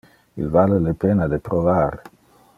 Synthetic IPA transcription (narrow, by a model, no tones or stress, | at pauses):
ḭlvalelepenad̪epɾovaɾ